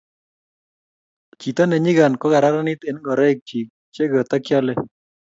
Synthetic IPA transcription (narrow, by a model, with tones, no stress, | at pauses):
t͡ʃi˨t̪a˦nɛ˨ɲi˦ɣa˨nkɔ˦ɣa˨ɾa˦ɾa˦nɪ˦t̪ɛ˨nɡɔ˨ɾɛ˦i˨k̚t͡ʃi˨k̚t͡ʃe˦ɡɔ˨t̪a˦kjɔ˦lɛ˦